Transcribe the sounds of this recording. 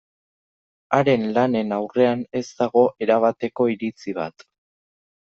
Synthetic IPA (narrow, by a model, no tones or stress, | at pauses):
aɾe̞nlane̞nawre̞ane̞zt̪aɣo̞ʔe̞ɾaβ̞at̪e̞ko̞iɾit͡siβ̞a̰t̪